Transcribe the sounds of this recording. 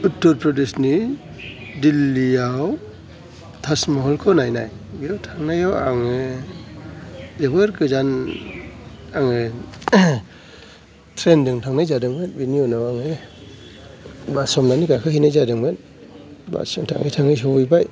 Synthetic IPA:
utːɔɾpʰɾɔdisni | dilːijaw | tʰasmɔɦɔlkʰɔnajnaj | bitʰaŋnajawa̰ŋe | deɡɯɾɡɯzan | aŋɯ | tʰɾendɯŋtʰaŋnajzadɯŋbenbiniɔnawaŋe | basɔmnaniɡakʰɯhinajzadɯŋben | ba̰sɯŋtʰa̰ŋɯjtʰaŋɯjsɔwjbaj

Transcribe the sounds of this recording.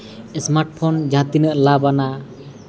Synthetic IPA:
ɛsmaɾʈpʰɔnd͡ʒãt̪inəʔlabana

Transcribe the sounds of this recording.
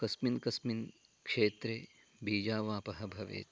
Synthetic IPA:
kɐsminkɐsmin | kʂeːt̪ɾeː | biːd͡ʒaːʋaːpɐɦɐbʱɐʋḛː

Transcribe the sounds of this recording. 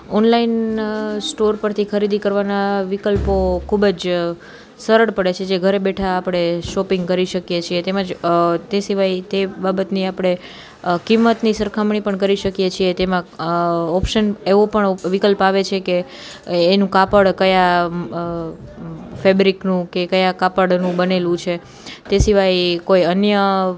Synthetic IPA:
ɔnlainsʈoɾpəɾt̪ʰikʰəɾid̪ikəɾʋanaʋikəlpokʰubəd͡ʒ | səɾəɽpəɽet͡ʃʰed͡ʒeɡʱəɾebeʈʰaːpɽ̃eʃɔpĩŋɡkəɾiʃəkjet͡ʃʰiet̪emãd͡ʒt̪esiʋajt̪ebabət̪niapɽ̃e | kimːət̪nisəɾkʰamɳipəɳkəɾiʃəkjet͡ʃʰiet̪emãɔpʃəneʋõpəɳʋikəlpaʋet͡ʃʰekeː | nũkapəɽkəja | febɾiknũkekəjãkapəɽnũbənelũt͡ʃʰe | t̪esiʋajkojənjə

